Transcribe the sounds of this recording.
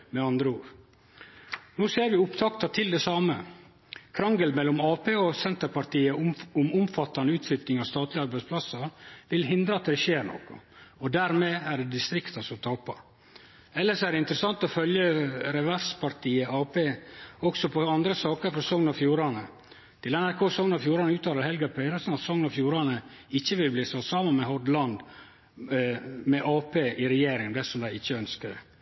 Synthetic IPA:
mɛɑnd̪ɾəuːɾ | nuːseːɾʋɪʊpt̪ʰɑkt̪ɑt̪ʰɪld̪ɛsɑːmə | kʰɾɑŋɡəlmɛlːɔmɑːpeːɔsɛnt̪əɾpɑɾʈ̪iːəɔmʊmfɑt̪ːɑnəʉːt̪flʏt̪nɪŋɑst̪ɑːt̪lɪɑɾbæɪspʰlɑsəɾʋɪlɦɪnd̪ɾəɑt̪d̪ɛʃeːɾɳɔ̰kɔ̰ɔd̪æɾmeːæɖɛd̪ɪst̪ɾɪkt̪ɑsɔt̪ʰɑːpɑ | ɛlːəʂɔæɾɖɛɪnt̪əɾəsɑnt̪ɔfœljəɾɛʋæɾspɑɾt̪ʰiːəɑːpeːɔksɔpʰɔɑnd̪ɾəsɑːkəɾfɾɔsɔŋnɑfjuːɾɑnə | t̪ʰɪlɛnæɾkʰoːsɔŋnɑfjuːɾɑnəʉːt̪ʰɑːləɾhɛlɡɑpʰɛɾəsnɑt̪sɔŋnɑfjuːɾɑnə | ɪçːəʋɪlbliːsɔsɑːmənmɛɦɔd̪lɑnd̪ | mɛʔɑːpeːʔɪɾɛjeːɾɪŋd̪ɛsɔmd̪æɪɪçːəœnskəɾ

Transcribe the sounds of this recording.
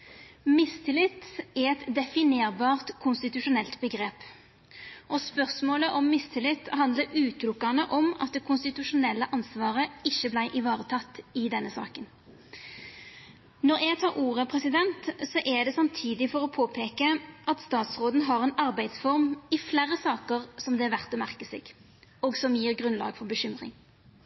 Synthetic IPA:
mɪst̪ʰɪlɪt̪ːɛɛt̪d̪ɛfɪneːʁbɑːʁt̪kʰʊnst̪ɪt̪ʉʂʊnɛlt̪bəɡʁeːp | ʔɔspœʁsmoːləʔɔmːɪst̪ʰɪlɪt̪ːɦɑnd̪ləɾʉːt̪lʊkːɑnəʔɔmɑ̰t̪̚d̪ɛkʰʊnst̪ɪt̪ʉʂʊnɛlːəʔɑnsʋɑːʁəɪçːəblæɪʔɪʋɑːʁət̪ʰɑt̪ːɪd̪ɛnːəsɑ̰ːkən | nɔʁʔɛɡt̪ʰɑːʁuːʁəpʰʁɛsɪd̪ɛnt̪sɔʔɛd̪ɛsɑmt̪ʰiːd̪ɪfɔʁɔpʰoːpʰeːkəʔɑt̪st̪ɑːt̪sʁoːd̪n̩ɦɑʁɛːnɑʁbæɪd̪sfɔʁmɪflæʁəsɑːkəʁsɔmd̪ɛæʋæʁt̪ɔmæʁkəsɛ̰ːɡ̥ | ɔːɡsɔmjiːʁɡʁʉnlɑ̰ːɡfɔʁbəɕʏmʁɪ̰ŋ

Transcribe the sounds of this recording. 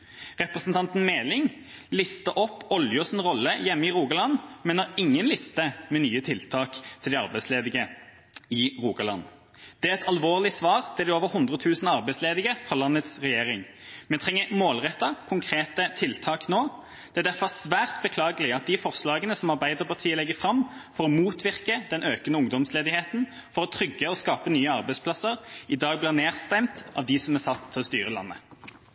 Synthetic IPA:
ʁɛpʁəsnt̪ɑnt̪n̩meːlɪŋ | lɪst̪əʔɔpːɔljʊsɪnʁɔlːəjɛmːəɪʁuːɡɑlɑnmɛnɑɪŋːənlɪst̪əmɛnyːət̪ʰɪlt̪ʰɑːkt̪ʰɪld̪ɪɑʁbæɪsleːd̪ɪɡə | ɪʁuːɡɑlɑ̰n | d̪̥ɛæɛt̪ʰɑlʋoːʁlɪsʋɑːʁt̪ʰɪld̪ɪoːʋəɾhʊnd̪ʁət̪ʰʉːsnɑʁbæɪsleːd̪ɪɡəfɑlɑnːət̪sʁɛjeːʁɪŋ | mɛnt̪ʰʁɛŋːəmoːlʁɛt̪ːɑkʰʊŋkʰʁeːt̪ət̪ʰɪlt̪ʰɑːknoː | d̪̥ɛæd̪æɾfɔsʋæːʁt̪bəkʰlɑːɡəlɪɑt̪̚d̪ɪfɔʁslɑːɡənəsɔmɑʁbæɪd̪əʁpɑʁt̪ʰiːəlɛɡːəfʁɑmfɔʁɔmuːt̪ʋɪʁkəd̪ɛnʔøːkənəʊŋd̪ɔmsleːd̪ɪheːt̪n̩ | fɔʁɔt̪ʰɾʏɡːəɔskɑːpənyːəɑʁbæɪspʰlɑsəʁɪd̪ɑːɡ̚blɪʁneːʁst̪ɛmt̪ʔɑ̰ːʋd̪ɪsɔmæsɑt̪ʰːɪɔst̪y̰ːʁəlɑ̰nːə̰

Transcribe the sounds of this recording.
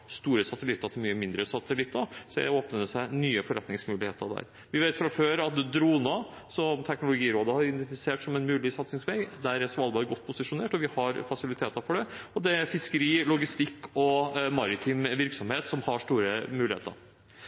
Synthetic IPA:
st̪uːɾəsɑt̪əlɪt̪ːɑt̪ʰɪlmyːəmɪnd̪ɾəsɑt̪əlɪt̪ːəsɔd̪ɛ̰oːpnəd̪ɛsæɪnyːəfɔɾɛt̪nɪŋsmʉːlɪhḛːt̪əɾd̪æ̰ɾ | ʋɪʋeɪt̪fɾɑføːɾɑt̪̚d̪ɾuːnɑ | sɔmt̪ʰɛknʊlʊɡiːɾoːd̪əhɑɾɪd̪fɪseːʈsɔmɛnmʉːlɪsɑt̪sɪŋsʋeɡd̪æɾɛsɔmɑlːəɑɾɡɔt̪ːpʰʊsɪʂʊneːʈɔʋɪhɑɾfɑsɪlɪt̪ʰeːt̪əɾfɔɖɛɔd̪ɛæfɪskəɾiːlʊɡɪst̪ɪkːɔmɑɾɪt̪ʰɪŋʋɪɾksɔmheːt̪sɔmhɑʂʈ̪uːɾəmʉːlɪhḛːt̪ə̰ɾ

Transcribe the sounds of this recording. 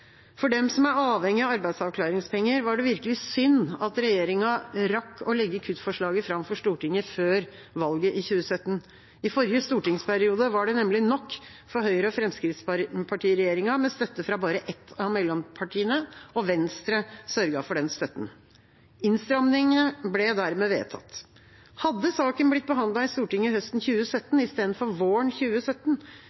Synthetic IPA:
fɔɖɛmsɔmæɾɑːʋhɛŋːɪɑɑɾbæɪd̪sɑʋkʰlɑːɾɪŋspɛŋːəɾʋɑɖɛʋɪɾkəlɪsʏnːɑt̪ɾɛjeːɾɪŋɑɾɑkːɔlɛɡːəkʰʉt̪fɔʂɭɑːɡəfɾɑmfɔʂt̪uːʈɪŋːəføːɾ | ʋɑlɡəʔɪçʉːəsœt̪ːən | ɪfɔɾjəst̪uːʈɪŋspʰæɾɪuːd̪əʋɑɖɛnɛmlɪnɔkː | fɔɾɦœʏəɾəɔfɾɛmskɾɪt̪spʰɑʈiːɾɛjeːɾɪŋɑmɛnst̪œt̪ːəfɾɑbɑːɾəʔɛt̪ʰːɑmɛlːɔmpʰɑʈʰiːənəɔʋɛnst̪ɾəsœɾɡɑfɔɖɛnst̪œt̪ːn̩ | ɪnst̪ɾɑmnɪŋəblɛd̪æɾmeːʋḛːt̪ʰɑ̰t̪ː | hɑd̪ːəsɑːkənblɪt̪̚ːbəɦɑnd̪lɑɪst̪uːʈɪŋːəhœst̪n̩çʉːəsœt̪ːnɪst̪eːd̪ənfɔɾʋoːɳçʉːəsœt̪ːn

